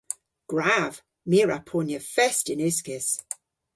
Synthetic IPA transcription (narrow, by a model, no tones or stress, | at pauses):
ɡ̥ɹav̥ | miɹapʰɔnjəfɛstɪnʉˑskɪs